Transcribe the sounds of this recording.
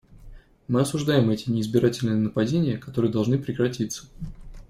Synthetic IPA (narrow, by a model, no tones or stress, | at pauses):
mɨɐsʊʐd̪ajɪmɛtʲɪnʲɪːzbʲɪɾʔatʲɪlʲnɨjənəpɐdʲenʲɪjəkɐt̪o̞ɾɨjəd̪ɐlˠʐnɨpɾʲɪkɾɐtʲit̪sə̥